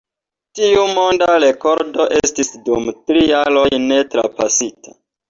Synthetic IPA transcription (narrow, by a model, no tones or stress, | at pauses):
tiumo̞ndaɾe̞ko̞ɾdo̞ʔe̞stisdumtɾijalo̞jne̞tɾa̰pasita